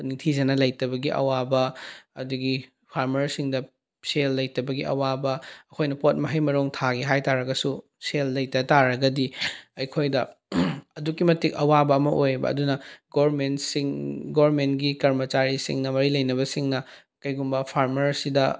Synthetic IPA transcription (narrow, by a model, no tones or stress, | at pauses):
niŋtʰid͡ʒɐnɐlɐjtɐbɐɡiʔɐ̰wabɐɐduɡi | pʰaɾmɐɾsiŋdɐ | selːɐjtɐbɐɡiɐ̰wabɐɐkʰojnɐpot̚mɐɦɐjmɐɾoŋtʰaɡiɦajtaɾɐɡɐsu | selːɐjtɐtaɾɐɡɐdiɐjkʰojdɐ | ɐdukːimɐtik̚ɐwabɐːmɐʔojbɐ̰ɐ̰dunɐɡoɾmensiŋɡoɾmentɡikɐɾmɐt͡ʃaɾisḭŋnɐmɐɾilɐjnɐβɐsiŋnɐ | kɐjɡumbɐpʰaɾmɐɾsidɐ